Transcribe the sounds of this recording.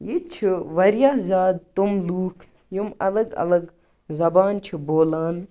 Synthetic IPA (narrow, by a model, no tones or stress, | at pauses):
jit͡ʃʰiʋɐɾjaːzaːd̪̚t̪umluːkʰ | jumɐ̰lɐɡɐ̰lɐɡ | zɐbaːnt͡ʃʰiboːlaːn